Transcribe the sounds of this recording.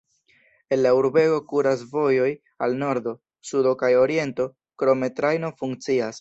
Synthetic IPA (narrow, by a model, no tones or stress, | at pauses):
e̞nlauɾbe̞ɡo̞kuɾasvo̞jo̞j | alno̞ɾdo̞ | sudo̞kajo̞ɾie̞nto̞ | kɾo̞me̞tɾajno̞fuŋk̚t͡sias